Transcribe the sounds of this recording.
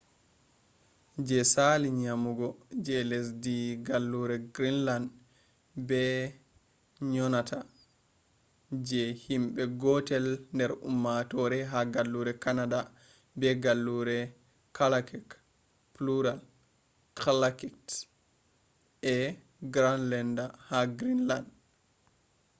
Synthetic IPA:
d͡ʒɛsaliɲamuɡɔd͡ʒɛlɛs̬diɡalːuɾɛɡɾinland | bɛ | ɲɔnatʰa | d͡ʒɛhimɓɛɡɔtɛlndɛɾṵmːatɔɾɛɦaɡalːuɾɛkanada | bɛɡalːuɾɛ | kʰalakɛk | pluɾal | kʰalakikt | ɛ | ɡɾanlɛndahaɡɾinland

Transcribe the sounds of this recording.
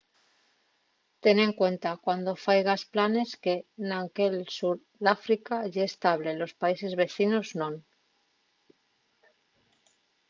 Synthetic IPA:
t̪e̞ne̞ŋkwe̞nt̪akwand̪o̞fajɣasplane̞ske̞naŋke̞lsuɾ | ðafɾikaʝaeːst̪aβ̞le̞lo̞spaise̞zβe̞θino̞znõ̞n

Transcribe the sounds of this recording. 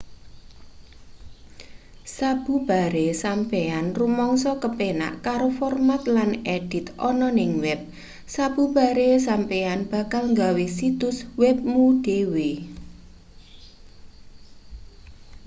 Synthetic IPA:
sab̥ṳb̥a̤ɾesampeanrumɔŋsɔkəpena̰ʔkaɾofɔrmat̪laneɖ̥ɪ̤t̪ʔɔnɔnɪŋwɛp̚ | sab̥ub̥a̤ɾes̬ampeanb̥a̤kalŋɡawesit̪ʊswɛp̚mud̥ewe

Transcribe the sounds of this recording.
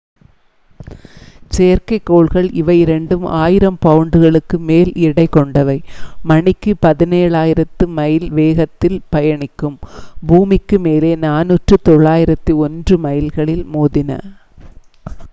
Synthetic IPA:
seːɐɾkɐɪkːoːɭɣɐɭɪʋɐɪɾɛɳɖɯma̰ːjɪɾɐmpɐʋɯɳɖɯɣɐɭɯkːɯmeːlɪɽɐɪkːɔɳɖɐʋɐɪmɐɳɪkːɯpɐðɪneːɻaːjɪɾɐt̪ːɯmɐjɪlʋeːɣɐt̪ːɪlpɐjɐɳɪkːɯmbuːmɪkːɯmeːleːnaːnuːʈrɯt̪ɔɭːaːjɪɾɐt̪ːiɔndrɯmɐjɪlɣɐɭɪlmoːðɪnɐ̰

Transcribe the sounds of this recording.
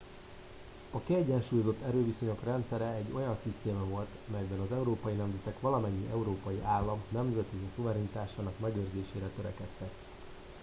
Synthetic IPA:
ɒkiɛɟːɛnʃuːjozo̞t̪ːɛɾøːviso̞ɲo̞krɛnt̪sɛɾɛɛɟːo̞jɒnsist̪eːmɒvo̞lt̪ɒmɛjbɛnɒzɛuɾoːpɒjinɛmzɛt̪ɛkʋɒlɒmɛɲːiʔɛuɾoːpɒjiʔaːlːɒmnɛmzɛt̪isuvɛɾɛnit̪aːʃaːnɒkmɛɡøːrzeːʃeːɾɛt̪ø̞ɾɛkɛt̪ːɛk

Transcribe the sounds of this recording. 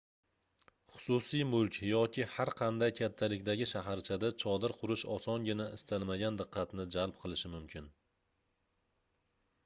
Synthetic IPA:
χʊ̥sʊsijmʊlˠkʲjɒkʲʰɪhaɾqʰɑnd̪ajkʲʰat̪ʰːalɪkʲd̪aɡʲɪʃaɦaɾt͡ʃʰad̪at͡ʃʰɒd̪ɪɾqʰʊɾɪʃɒsɒnɡʲɪnaʔɪst̪ʰalmaɡʲand̪ɨqʰːɑt̪nɪd͡ʒalˠpqʰɨlˠɪʃɪmʊmkʲʰɪn

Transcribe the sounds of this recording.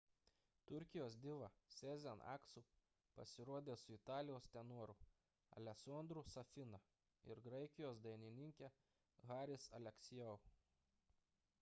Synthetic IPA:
t̪ʊɾʲkʲɪjoːs̬d̪ʲɪʋɐsʲɛzʲɛnɑ̰ːksu | pɐ̰sʲɪɾuɔd̪ʲeːsʊɪt̪ɑːlʲɪjoːst̪ʲɛnuɔɾʊ | ɐ̰lʲɛsoːnd̪ɾʊsɐfʲɪnɐ | ɪ̰ɾɡɾɐɪkʲɪjoːsd̪ɐɪnʲɪnʲɪŋʲkʲe | ɣɑːɾʲɪsɐlʲɛksʲɪjoʊ

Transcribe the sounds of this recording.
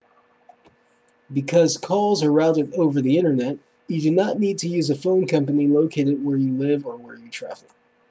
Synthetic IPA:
bɨkʰʌz̥kʰɔlˠzə˞ɹaʊɾɨɾoʊvə˞ðiɪ̃ɾ̃ə˞nɛt͡ʃ̚ | jɨdɨnəʔⁿnid̚tʰɨjʉzɨfõʊ̃nkʰʌ̃mpɨniloʊkʰeɪɾɨd̚wə˞jɨlɪvə˞wə˞jɨtʰɹ̥æ̰fɪk

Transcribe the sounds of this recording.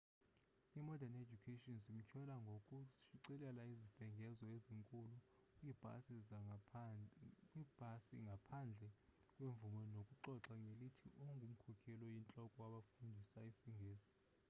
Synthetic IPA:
imɔdaned͡ʒukʰetʼiɔnzim̩kʰɛlaŋɡʱokʼuʃiǀɛlɛlaizib̥ʱɛŋɡʱɛzɔeziŋkʼulu | s | kʼwib̥ʱasḭŋɡʱapʰand͡ɮʱɛ | kʼweɱvumɔnokʼuǃɔǁaŋelitʰiʔoŋɡʱum̩kʰɔkʰɛlɔjint͡ɬʼɔkʼɔwaɓafundʱisaisiŋɡʱeːsi̥

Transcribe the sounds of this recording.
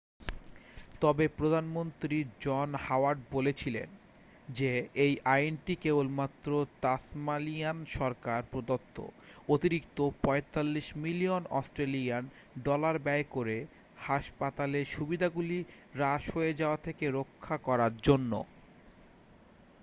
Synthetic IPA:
t̪ɔbepɾod̪ʱanmont̪ɾid͡ʑɔnhawaɾɖ̚bolet͡ɕʰilḛn | d͡ʑeejʔajnʈikebolmat̪ːɾot̪asmalianʃɔɾkaɾpɾod̪ot̪ʰːo̰ot̪iɾik̚t̪opɔet̪alːiʃmilionɔ̰sʈɾelian | ɖɔlaɾbɛekoɾe | haʃpat̪aleʃubid̪ʱaɡuli | ɾaʃɦoed͡ʑaoat̪ʰekeɾokʰːakɔɾaɾd͡ʑonːo̰

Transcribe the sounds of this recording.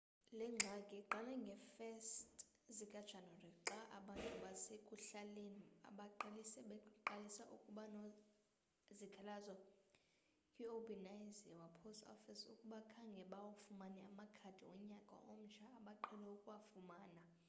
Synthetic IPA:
lɛŋ͡ǁʱakʼɛǃʱalɛŋɡʱɛfɛstʼ | zikʼad̥t͡ʃʰanɔrɛǁaʔaɓantʼuɓasekʼuɬalenia̰ɓaǃalisɛɓɛǃalisaʔukʼuɓano | zikʰalazwa | kʼiobinajzɛwapʰostʼɔ̰fisukʼuɓakʰaŋɡʱɛɓawafumanɛamakʰad̥ʱiɔɲakʼa̰ʔom̩t͡ʃʰaːɓaǃʰɛlɛukʼwafumaːna

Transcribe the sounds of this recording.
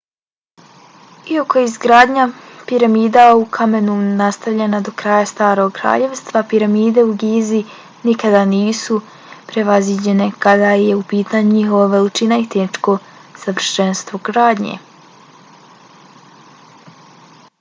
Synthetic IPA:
ioko̞izɡɾaːd̪ɲapiɾamiːd̪aukʰame̞nunast̪aʋʎe̞nad̪o̞kɾaːjast̪aːɾo̞ɡkɾa̰ːʎe̞ʋst̪ʋapiɾamiːd̪e̞uɡiːzi | nikad̪aniːsu | pɾe̞ʋazʋid͡ʑe̞ne̞kad̪aje̞upiːt̪aːɲuɲixo̞ʋoʋe̞lit͡ʃinait̪eʃko̞ | saʋr̩ʃe̞nst̪ʋo̞ɡɾaːd̪ɲḛ

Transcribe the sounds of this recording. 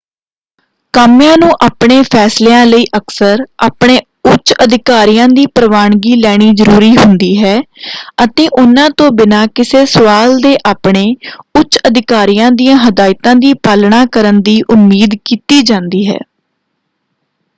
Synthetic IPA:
kəmjãːnũːʔaːpɳeːpʰɛːsleːãːləiːʔəksəɾʔa̰ːpɳeː | ʊt͡ʃəd̪ʱɪkaːɾijãːd̪iːpɾəʋaːɳɡiːlɛːɽ̃iːzəɾuːɾiːɦʊnd̪iːɦɛːət̪eːʔʊnãːt̪õːbɪnaːkɪseːsəʋaːld̪eːʔaːpɳeːʊt͡ʃəd̪ɪkaːɾijãːd̪ijãːɦəd̪aːɪt̪ãːd̪iːpaːlɳaːkəɾənd̪iːʔʊmːiːd̪kiːt̪iːd͡ʒãːnd̪iːɦɛ̰ː

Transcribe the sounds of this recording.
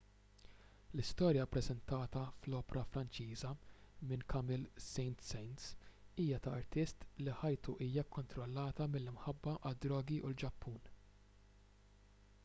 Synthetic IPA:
lɪst̪ɔːɾjɐpɾɛzɛnt̪ɐːt̪ɐflɔːpɛɾɐfɾɐnt͡ʃiːzɐmɪnkʰɐmɪlsɛjnt̪sɛjnt̪siːjɐt̪ɐɐɾt̪ɪst̪liħɐjt̪uʔiːjɐkːɔnt̪ɾɔlːɐːt̪ɐmɪlːɪmħɐbːɐʔɐd̪ɾɔːɡiʔuld͡ʒɐpʰːuːn

